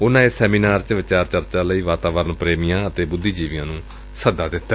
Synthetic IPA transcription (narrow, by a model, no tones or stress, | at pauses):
ʊnãːeːsɛːmiːnaːɾt͡ʃʋɪt͡ʃaːɾt͡ʃəɾt͡ʃaːləiːʋaːt̪aːʋəɾənpɾeːmijãːət̪eːbʊd̪ːiːd͡ʒiːʋɪjãːnũː | səd̪ãːd̪ɪt̪ː